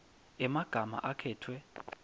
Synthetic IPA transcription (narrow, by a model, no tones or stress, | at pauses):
ɛmaɡ̥ʱama̰ʔakʰɛːtʰwɛ